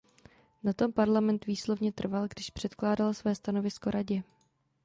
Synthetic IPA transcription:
nat̪o̞mpaɾlamɛnt̪viːslo̞vɲɛt̪r̩valɡdɪʃpr̝̥ɛt̪klaːdalsvɛːst̪ano̞vɪsko̞ɾʔaɟɛ

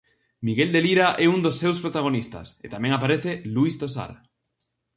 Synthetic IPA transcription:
miɣeld̪eliɾaʔɛund̪osːewspɾot̪aɣ̞onist̪a̰sḛt̪amɛ̃ŋapaɾeθeluist̪osa̰ɾ

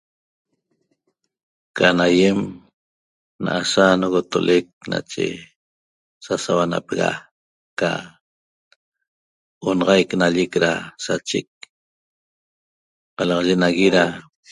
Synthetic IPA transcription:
kanajem | na̰ʔasanoɣot̪olek̚na̰t͡ʃḛ | sasawana̰peɣa̰ | ka̰ | onɑʁɑjknaʎekɾasat͡ʃek̚ | qɑlɑʁɑʒenaɣiɾa

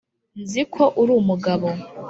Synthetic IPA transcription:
nzikʰo̞ʔuɾuːmuɡaβo̞

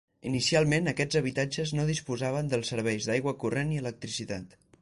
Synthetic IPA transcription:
inisialˠmenəkɛd͡zəβ̞it̪ad͡ʒəznoðispuzaβ̞ənd̪əlˠsəɾβ̞ɛjzðajɣwəkureniələk̚t̪ɾisit̪at̪

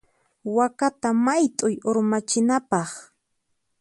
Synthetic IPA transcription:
wakat̪amajt̪ʼʊjoɾmat͡ʃɪnapɑχ

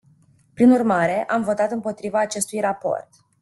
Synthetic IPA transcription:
pɾinurmaɾe̞ʔamvo̞t̪at̪ɨmpo̞t̪ɾivaːt͡ʃe̞st̪ujrapo̞̰rt̪

